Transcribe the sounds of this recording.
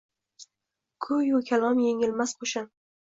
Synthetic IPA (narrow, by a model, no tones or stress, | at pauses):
kʰʊjʊkʲʰalˠɒmjeŋɪlmasqʰoʃan